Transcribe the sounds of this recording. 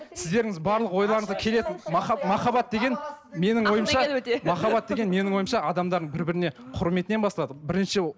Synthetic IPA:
sɪzd̪e̞ɾɪŋɪzbɑɾlˠəqwo̞jlˠɑɾəɴzʁɑkʲʰe̞le̞t̪ɪnmɑɑmɑχɑbɑt̪̚d̪e̞ɡʲe̞n | me̞nɪŋwo̞jəmʃɑmɑχɑbɑt̪̚d̪e̞ɡʲe̞nme̞nɪŋwo̞jəmʃɑɑd̪ɑmd̪ɑɾd̪əɴbɪɾbɪɾɪne̞qʰʊɾme̞t̪ɪnebɑslˠɑd̪əbɪɾɪnʃɪ

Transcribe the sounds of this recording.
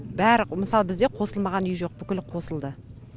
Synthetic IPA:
bæɾmɪsɑlˠbɪzd̪e̞qʰo̞səlˠmɑʁɑnʏjʒo̞q̚bʏkʲɪlqʰo̞səlˠd̪ə

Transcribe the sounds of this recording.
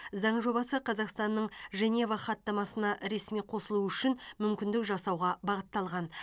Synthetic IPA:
zɑɴʒo̞bɑsəqʰɑzɑqst̪ɑnːəɴʒe̞nʲevɑχɑt̪ːɑmɑsənɑʔɾe̞smijqʰo̞səlˠuʏʃɪnmʏmkʲɪnd̪ɪkʒɑsɑwʁɑbɑʁət̪ːɑlˠʁɑn

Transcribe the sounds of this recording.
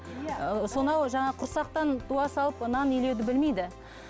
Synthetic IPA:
so̞nɑwʒɑɴɑqʰʊɾsɑq̚t̪ɑnt̪ʰuɑsɑlˠəpənɑnɪjle̞wd̪ɪbɪlme̞jd̪ɪ

